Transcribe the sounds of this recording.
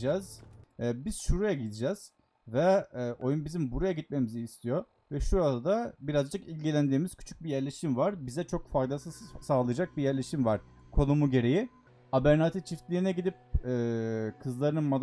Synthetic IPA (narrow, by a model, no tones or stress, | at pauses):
d͡ʒɛz̥biz̥ʃuɾajaɟid̪id͡ʒɛz̥ | vɛːʔo̞junbizimbuɾajaɟit̪̚me̞miziːst̪ʰijo̞ | vɛʃuɾad̪abiɾazd͡ʒɯkilʲɟilʲænd̪iːmiz̥cʰy̥t͡ʃʰy̥c̚bijæɾlʲe̞ʃimvaɾbizɛt͡ʃʰokfajd̪asɯsaːlˠɯjad͡ʒak̚bijæɾlʲe̞ʃimvaɾ̥ | kʰo̞numuɟe̞ɾe̞ji | abæɾnat̪ʰit͡ʃʰift̪lʲiinɛɟid̪ip̚ɛːkʰɯzlˠaɾɯnɯnmad̪